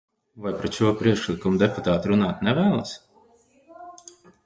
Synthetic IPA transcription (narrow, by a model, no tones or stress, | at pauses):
vajpɾɛt͡ʃuɔpɾiɛkʃlʲˠikumud̪ɛput̪aːt̪ɾunaːt̪nʲɛvæːlˠa̰s